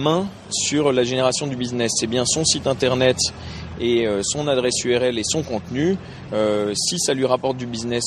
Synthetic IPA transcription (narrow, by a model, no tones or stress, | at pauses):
mɛ̃ | syʁlaʒeneʁasjɔ̃d̪ybiznɛsɛbjɛ̃sɔ̃sit̪ɛ̃t̪ɛʁnɛt̪ | eøsɔ̃nad̪ʁɛsyɛʁɛlesɔ̃kɔ̃t̪ny | øsisalɥiʁapɔʁt̪̚d̪ybiznɛs